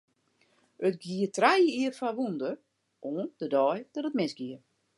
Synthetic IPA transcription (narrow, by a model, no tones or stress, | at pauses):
ətɡjiətrajəiəfaʋundər | ʔoːəndədɔːjd̥ɔtət̚mɪsɡiər